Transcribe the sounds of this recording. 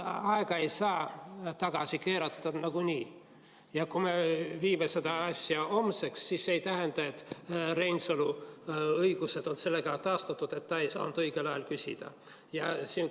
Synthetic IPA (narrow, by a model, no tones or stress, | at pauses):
ɑeɡ̥ɑe̞jsɑːt̪ɑɡ̥ɑsʲike̞ːɾɑt̪ˑːɑd̪nɑɡ̥uniː | jɑkume̞viːmese̞d̪ɑɑsʲjɑo̞mse̞ksːiːsːe̞jt̪æɦend̪̥ɑe̞t̪ːre̞nsolu | ɤjɡ̥use̞d̪o̞nse̞lːe̞ɡ̥ɑt̪ɑːst̪ɑt̪ːˑud̪e̞t̪ːɑe̞jsɑ̰ːnud̪ɤjɡ̥e̞lɑjelkysʲḭd̪̥ɑ̰ | jɑsiːn